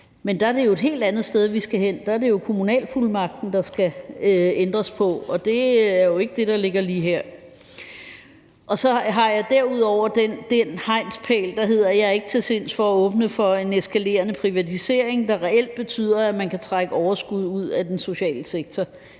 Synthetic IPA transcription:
mend̥ɑ̈æɐd̥e̝jo̝e̝d̥ɦe̝̰ːld̥ænð̩ˠsd̥eð̞ˠʋisɡ̥æɦen̰d̥ɑ̈æɐɾ̥e̝jo̝kʰo̝munɛ̰ːlfulmɑ̈ɡ̥̚d̥n̩d̥ɑ̈sɡ̥æ | end̥ʁɐspʰɒ̽ɒ̽d̥e̝æɐjo̝e̝ɡ̥əd̥e̝ɾ̥ɑ̈le̝ɡ̥ɐliːɦæɐ̰ | ʔɒ̽sɒ̽ɦɑ̈jɑ̈ɪd̥æɐ̰uð̞̰ˠɒʊ̰ɐd̥end̥enhɑ̈ɪ̰nspʰɛ̰ːld̥ɑ̈ɦe̝ð̞̰ˠɐjɑ̈æɐe̝ɡ̥ət͡sʰe̝se̝n̰sfɒ̽æɔ̽ːb̥nəfɒ̽e̝nesɡ̥ʰæle̝̰ːɐnəpʰʁiʋæt͡sʰise̝̰ɐ̰e̝ŋd̥ɑ̈ʁɛel̰d̥̚b̥e̝t͡sʰy̰ːð̰ˠɐæmænkʰæt͡sʰʁɑɡ̥əɒʊɐsɡ̥uð̞̰ˠuð̞̰ˠæd̥enso̝ɕɛ̰ːləseɡ̥̚t͡sʰɒ

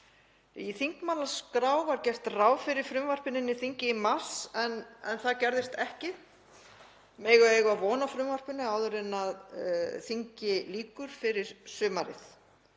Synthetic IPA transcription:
iθiŋkmaːlaskɾaːwvaɾcɛr̥t̪raːwfɪɾɪɾ̥fɾʏmvar̥pɪnɪnːɪθiɲcɪimḁsɛnɛnθaðcɛɾðɪst̪ɛhcɪ | mɛːjɣʏeːjɣʏaðvɔːnafɾʏmvar̥pɪnːʏawðʏɾɪnaðθiɲcɪliːkʏɾ̥fɪɾɪɾ̥sʏːmaɾɪ̰θ

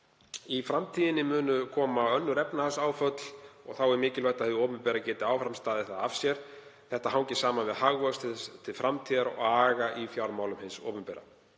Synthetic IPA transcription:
ifɾamt̪ʰiːðɪnɪmʏːnʏkʰɔːmaœnːʏɾɛpnahasaːwfœt̪l̥ɔɣθawɛɾmɪːcɪlvajht̪aðθoːwpʏmpɛːɾacɛːt̪ɪawfɾamst̪aːðɪθaðav̥sjɛɾ̥θɛht̪aɦawŋcɪsaːmanvɪðhaɣvœst̪ʰɪt̪ʰɪlfɾamt̪ʰiːðaɾɔ̰ɣaːɣaʔifjawɾmaːwlʏmhɪnsɔ̰ːwpʏmpɛːɾa̰

